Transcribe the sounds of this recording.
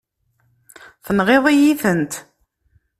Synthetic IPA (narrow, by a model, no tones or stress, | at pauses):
θənʁeðˤijiθənt̪